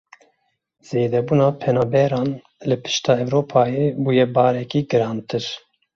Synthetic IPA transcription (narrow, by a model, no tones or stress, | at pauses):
z̥eːd̪ɛbuːnɑːpʰɛnɑːbɛɾɑːn | lɨpʰɨ̥ʃt̪ɑːɛvɾoːpʰɑːjebuːjɛbɑːɾɛkiːɡɨɾɑːnt̪ɨɾ